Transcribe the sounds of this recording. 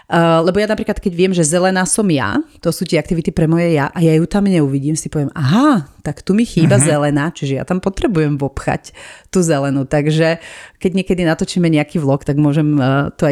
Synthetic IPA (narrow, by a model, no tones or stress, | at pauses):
lɛbɔjanapɾiklat̪kɛɟʋɪɛmʒɛzɛlɛnaːsɔmja̰t̪ɔsuːt̪ɪɛak̚t̪iʋit̪ipɾɛmɔjɛjaʔajajut̪amɲɛuʋiɟiːmsipɔʋɪɛmaɦat̪akt̪umixiːbazɛlɛnaːt͡ʃiʒɛja̰t̪ampɔt̪ɾɛbujɛmʋɔpxa̰ct̪uzɛlɛnut̪aɡʒɛkɛɟɲɪɛkɛd̪inat̪ɔt͡ʃimɛɲɛakiʋlˠɔkt̪aɡmʊɔʒɛmt̪ɔa